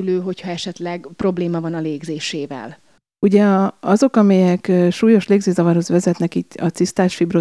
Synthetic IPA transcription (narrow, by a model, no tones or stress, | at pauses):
løːɦo̞chɒɛʃɛt̪lɛɡpro̞bleːmɒvɒnɒleːɡzeːʃeːvɛ̰l | uɟɛɒzo̞kɒmɛjɛkːʃuːjo̞ʃleːɡzeːzɒvɒrhozvɛzɛt̪nɛkiːt̪ːɒt̪sist̪aːʃfibro